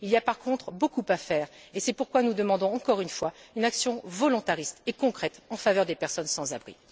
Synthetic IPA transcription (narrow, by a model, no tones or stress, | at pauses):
iliapaʁkʰɔ̃t̪χbokupafɛːʁesɛpuʁkwanud̪əmɑ̃d̪ɔ̃ɑ̃kɔʁynfwaynaksjɔ̃vɔlɔ̃t̪aʁist̪ekɔ̃kχɛt̪ɑ̃favœʁd̪epɛʁsɔnsɑ̃zabʁḭ